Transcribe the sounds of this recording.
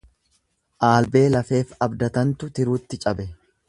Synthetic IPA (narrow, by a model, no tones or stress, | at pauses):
ʔaːlbe̞ːlɐfe̞ːfɐbd̪ɐt̪ɐnt̪ʊt̪ɪɾuːt̪ːɪt͡ʃʼɐbɛ